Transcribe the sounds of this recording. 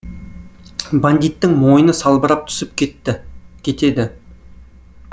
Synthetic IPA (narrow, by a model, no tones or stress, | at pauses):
band̪it̪ːɪŋmo̞jənəsɑlˠbəɾɑp̚t̪ʰʏ̥sɪp̚ | kʲʰe̞t̪e̞d̪ɪ